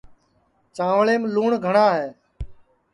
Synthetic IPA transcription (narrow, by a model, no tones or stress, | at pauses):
t͡ʃãːʋɭeːmluːɳɡʱəɳaːɦeː